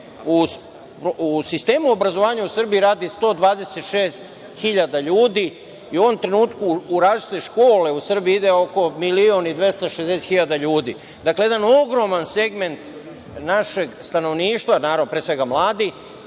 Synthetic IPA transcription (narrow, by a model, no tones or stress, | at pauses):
u | pusist̪e̞ːmuobɾazo̞ʋaːɲausər̩biiɾaːd̪ist̪o̞ːd̪ʋaːd̪eset̪ʃeːst̪ | xiʎad̪aʎuːd̪i | iuo̞ʋo̞mt̪ɾe̞nuːt̪kuːɾaːzt͡ʃt̪eʃko̞ːle̞usr̩biid̪eo̞ko̞milionid̪ʋje̞st̪aʃezd̪es̬et̪xiʎad̪aʎuːd̪ḭː | d̪akleje̞d̪ano̞ɡɾo̞manseɡme̞nt̪ | naʃe̞ɡst̪ano̞ʋniːʃt̪ʋanaːɾavnopɾeːsʋe̞ɡamlˠaːd̪i